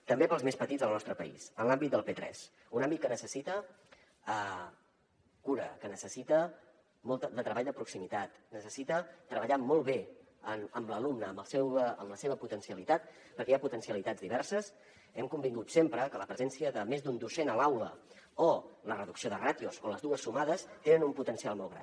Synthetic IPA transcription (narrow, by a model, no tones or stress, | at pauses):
t̪əmbepəlˠzmespət̪itd͡zzðəlˠnɔst̪ɾəpə̰ḭsənlambit̪̚d̪əlˠpet̪ɾɛ̰s | unambit̪̚kənəsəsit̪ə | ə | kuɾə̰kənəsəsit̪ə | mɔlˠt̪əd̪ət̪ɾəβaʎd̪əpɾuksimit̪at̪nəsəsit̪ət̪ɾəβəʎamɔlˠβe | ənəmləlumnəːmbəlˠsɛwəəmləseβ̞əput̪ənsiəlit̪at̪̚ | pəɾkɛaput̪ənsiəlit̪ad͡zðiβɛɾsəs | ɛmkumbiŋɡut̪sempɾəkələpɾəzɛnsiəðəmezðund̪usenəlawlə̰ | olərəðuksioðərat̪iozoləzðuəsːumaðəst̪enənumput̪ənsialˠmɔlˠɣɾa̰n